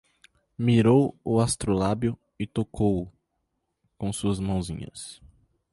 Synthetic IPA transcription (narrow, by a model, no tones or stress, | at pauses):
miɾowʊast̪ɾolabjʊ | ɪt̪okʰowʊ | kõsuɐzmɐ̃w̃zḭ̃ɲɐ̰s